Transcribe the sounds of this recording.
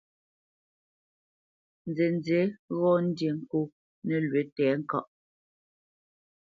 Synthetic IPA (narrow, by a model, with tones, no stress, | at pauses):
n̩˨d͡ze˨n˦d͡ze˨˦ɣɔ˦n̩˦dje˨ŋ̩˦˨ku˦ | nɛ˨lɥwe˨˦tɛː˨˦ŋ̩˦kɔ˦˨ʔ